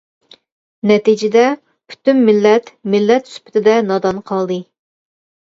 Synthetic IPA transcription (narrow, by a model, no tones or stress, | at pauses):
nɛt̪id͡ʒɪd̪ɛ | pʰy̥t̪ymːɪlːɛt̪mɪlːɛt̪ːsy̥pʰɪ̥t̪ʰɪd̪ɛnɑd̪ɑnqʰɑlˠd̪ɨ